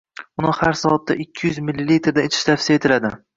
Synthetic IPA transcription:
ʊnɪhaɾsɒɒt̪ʰːa̰ʔɪkʲʰːɪjʏzmɪlːilːit̪ʰeɾd̪aet̪ʰɪ̥ʃt̪ʰafsijaet̪ʰɪlad̪ɪ

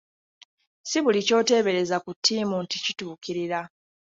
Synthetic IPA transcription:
siβulico̞ːte̞ːβe̞ɾe̞zakutʰːiːmunticituːkiɾiɾa

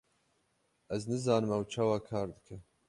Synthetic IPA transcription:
ɛznɨzɑːnɨmɛwt͡ʃʰɑːwɑːkʰɑːɾd̪ɨkʰɨ

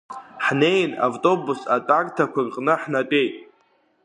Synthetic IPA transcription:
ħne̞jna̰vtʼo̞busatʼartʰakʷarqʼnɨħnatʷʼe̞jtʼ

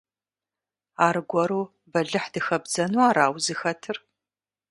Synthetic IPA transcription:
aːrɡʷɔɾuː | bɐɮɨħdɨxɐbzɐnuaːɾaːwzɨxɐtʰɨr

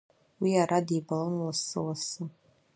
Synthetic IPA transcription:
wiaɾadibalɨnlasɨ̰wasɨ

